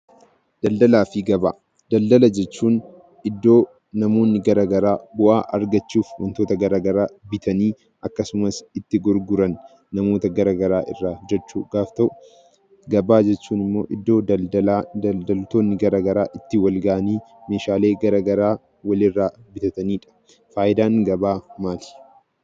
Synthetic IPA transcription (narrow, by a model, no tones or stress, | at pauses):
d̪̥ɐld̪ɐlaːfɪɡɐba̰ː | d̪ɐld̪ɐlɐd͡ʒɛt͡ʃːuːn | ɪd̪ːo̞ː | nɐmo̞ːnːɪɡɐɾaːɡɐɾaːbʊʔa̰ːʔɐɾɡɐt͡ʃːuːfwɐ̰nt̪o̞ːt̪ɐɡɐɾaːɡɐɾaːbɪt̪ʰɐniː | ʔɐkːɐsʊmɐsɪt̪ːɪɡɔɾɡʊɾɐnː | ɐmo̞ːt̪ɐɡɐɾaːɡɐɾaːʔɪ̰rːaːd͡ʒɛt͡ʃːṵːɡ̥aːft̪ɐʔʊ | ɡɐbaːd͡ʒɛt͡ʃːuːnɪmːo̞̰ːʔɪd̪ːo̞ːɐɐld̪ɐlt̪o̞ːnːɪɡɐɾaːɡɐɾa̰ːʔɪt̪ːɪwɐlɡɐʔɐniː | me̞ːʃaːle̞ːɡɐɾaɡɐɾaː | wɐlɪrːaːbɪt̪ɐt̪ɐniːᶑɐ̥ | faːʔɪd̪aːŋɡɐbaːmaːl̥